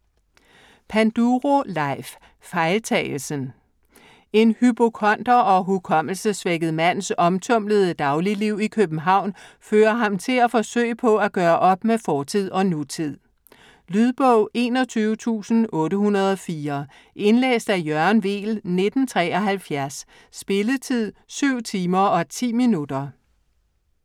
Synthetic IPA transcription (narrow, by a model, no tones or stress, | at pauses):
pʰænd̥uʁo̝lɑ̈ɪf | fɑ̈ɪlt͡sʰɛ̰ːl̩sən | e̝nhyb̥okʰɒ̽nd̥ɐʔɒ̽ɦukʰɒ̽m̰l̩səsʋeɡ̥əð̩ˠmæn̰sɒ̽mt͡sʰɔ̽m̰ləð̞ˠəd̥ɑ̈ʊliliʊ̰ikʰøb̥n̩ɦɑ̈ʊ̰nføːɐɦɑ̈mt͡sʰe̝læfɒ̽sø̰ɪəpʰɒ̽æɡ̥ɶːɐʔɒ̽b̥mefɒːt͡sʰið̞̰ˠɒ̽nut͡sʰið̰ˠ | lyðˠb̥ɔʊʔe̝̰ːnɒ̽t͡sʰyːʊət͡sʰṵːsn̩ʔɔ̽ːɾəhunɐð̞ˠɒfiːɐ | ʔe̝nlḛːsd̥æjɶɐnʋḛːlne̝d̥n̩t͡sʰʁɛ̰ːɒ̽ɦælfjæɐsː | b̥e̝lət͡sʰið̰ˠsyʊ̰t͡sʰiːmɐɒ̽t͡sʰḭːminud̥ɐ